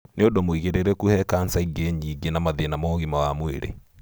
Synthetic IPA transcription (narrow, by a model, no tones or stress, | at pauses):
neodomoiɣeɾeɾɛkuhɛkansaiɡeɲiːɡenamaðienamɔɣimawamweɾḛ